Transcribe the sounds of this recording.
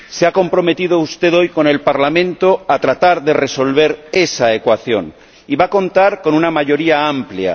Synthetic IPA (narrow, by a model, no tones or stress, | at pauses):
seako̞mpɾo̞me̞t̪iðoust̪e̞ðo̞jko̞ne̞lpaɾlamẽ̞nt̪o̞at̪ɾat̪aɾðe̞re̞so̞lβ̞e̞ɾe̞saekwaθjo̞̰n | iβako̞nt̪aɾko̞nunamaʝo̞ɾiaamplja̰